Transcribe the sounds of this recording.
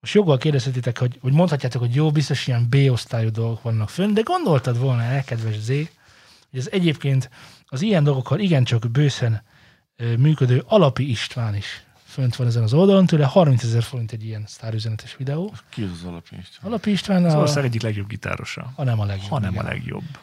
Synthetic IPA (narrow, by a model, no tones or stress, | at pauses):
moʃjo̞ɡːɒlkeːrd̪ɛshʰɛt̪̬ːeːt̪ɛkho̞ɟho̞ɟmonhɒcːaːt̪okho̞ɟjoːbist̪o̞ʃijɛmbeːo̞st̪aːjud̪o̞lɡo̞kʋɒnːɒkfønt̪d̪ɛɡo̞nd̪o̞lt̪ɒd̪ʋo̞lnɒɛkɛd̪ʋɛʒzeː | ho̞ɟɛzɛɟeːpkeːnt̪ | ɒzijɛnd̪o̞lɡo̞kʰːɒliɡɛnt͡ʃɒkbøːsɛn | myːkød̪øːʔɒlɒpiiʃt̪ʋaːniʃ | fønt̪ʋɒnɛzɛnɒzo̞ld̪ɒlo̞nt̪øːlɛhɒrmint̪sɛzɛrfo̞ɾint̪ɛɟːijɛnst̪aːɾyzɛnɛt̪ɛʃʋid̪ɛoːkiɛzzɒlɒ̰piʃt̪ɒlɒpiiʃt̪ʋaːnzɒorsaːɡɛɟːiklɛɡjo̞b̚ɡit̪a̰ːɾo̰ʃɒ̰hɒnɛmɒlɛɡjoɒnɛ̰mɒ̰lɛ̰ɡjo̰bː